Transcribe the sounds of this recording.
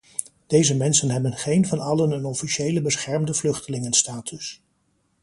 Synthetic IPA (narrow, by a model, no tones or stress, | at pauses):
d̥ejzəmɛnsənɦɛbənχejnvɑnɑlənənɔfiʃejləbəsχɛɹmdəvlɵχtəlɪŋənstaːtʰʏs